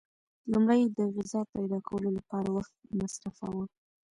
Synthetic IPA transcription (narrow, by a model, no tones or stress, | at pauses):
lumɽajd̪əɣɪzɑpajd̪ɑkʰawəlolapɑɾawaxt̪̚mʊsɾafa̰wə